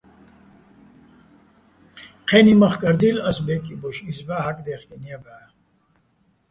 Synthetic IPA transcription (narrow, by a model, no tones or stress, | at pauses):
qʰeːnimɐχkɐɾd̪ilɐsbekiboɕisbaːɦɐkd̪eːχkenijɐba